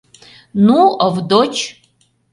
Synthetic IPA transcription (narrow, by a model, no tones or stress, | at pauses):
nuɐvdot͡ʃʰ